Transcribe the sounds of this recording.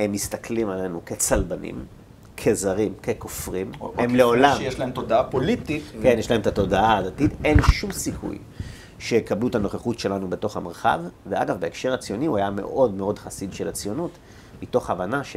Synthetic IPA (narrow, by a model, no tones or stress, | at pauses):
emːistakʰlimale̞nuke̞t͡salbanḭm | kʰe̞zaʁimke̞kofʁimemleo̞lamjeʃlaemt̪od̪aapolit̪ike̞njɛʃlae̞mt̪ato̞daaːdatite̞nʃumsikʰṵj | ʃejekabluetano̞χeχutʃe̞lanube̞to̞χameʁχa̰vːea̰ɡavbe̞ːkʃe̞ʁat͡sijo̞niuajame̞̰ʔo̞dme̞o̞dχasidʃelat͡sjo̞nut | mito̞χavanaʃe